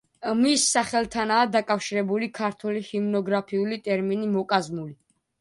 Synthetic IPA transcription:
misːaχɛlˠt̪ʰanaːd̪akʼafʃiɾɛbulikʰaɾt̪ʰwɛlihimnɔɡɾapʰiulit̪ʼɛɾminimɔkʼazmuli

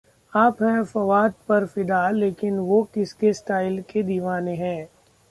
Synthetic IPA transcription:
aːpɦɛ̃fɐʋaːd̪̚pɐɾfɪd̪aleːkɪnʋokɪskesʈaːɪlked̪iːʋaːneɦɛ̃ː

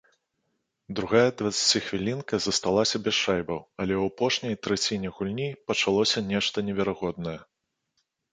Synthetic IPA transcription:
d̪ɾuɣajɛd̪vɐt̪sḁt͡sʲixvʲilʲinkɐzɐst̪alˠasʲɐbʲɛsʂajbɐwɐlʲɛwapɔʂnʲɐjt̪ɾɛt͡sʲinʲɛɣulʲnʲipɐt͡ʂalˠɔsʲɐnʲɛʂt̪ɐnʲɛvʲɛɾaɣɔd̪nɐjɛ

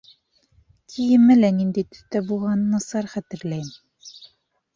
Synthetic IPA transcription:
kʰijɘ̆mɘ̆lænind̪æjt̪ɵ̥̆θt̪æbulˠʁɑnɤnɑsɑɾχæt̪ɘ̆ɾlæjm

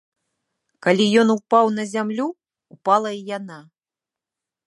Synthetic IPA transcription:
kalʲijɔnupawnɐzʲamlʲuː | palˠɐijana

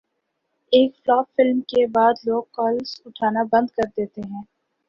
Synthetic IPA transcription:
eːkflaːpfɪlmkebaːd̪loːɡ̚kɔːlsʊʈʰaːnabɐ̃nd̪kɐɾd̪eːt̪eɦɛ̃ː

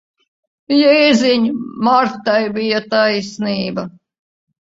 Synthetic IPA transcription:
jɛizʲiɲmaɾt̪ajbijat̪ajsniːbɐ

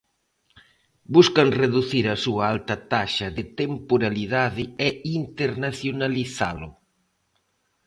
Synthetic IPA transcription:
buskɐnreðuθiɾɐsuɐalt̪ɐt̪aʃɐðɪt̪empoɾaliðaðɪɛint̪eɾnaθjonaliθa̰lʊ̰

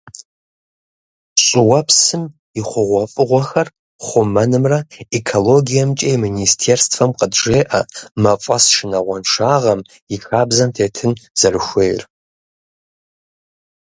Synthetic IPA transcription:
ɕʼɪwɐpʰsɨm | iχʷʊʁʷɔfʼɨʁʷɔxɐr | χʷʊmɐnɨmrɐekʰoloɡʲijɐmt͡ʃʼejministʰerstʰfɐmqədʐeːʔɐmɐfʼɐsʂɪnɐʁʷɔnʂaːʁɐm | ixaːbzɐntʰeːtʰɨnz̥ɐrɨxʷejr

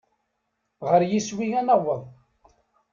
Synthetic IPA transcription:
ʁəɾjiswiænəwəðˤ

